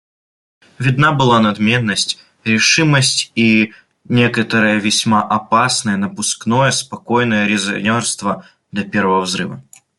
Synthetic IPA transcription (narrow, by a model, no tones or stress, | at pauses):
vʲɪd̪nabɨlˠanɐd̪mʲe̞nːəsʲtʲ | ɾʲɪʂɨməsʲtʲi | nʲekət̪əɾɨjəvʲɪsʲmaʔɐpasnəjənəpʊskno̞jəspɐkojnəjəɾʲɪzɐ̰nʲorst̪və | d̪ɐpʲeɾvəvəvzɾɨ̰və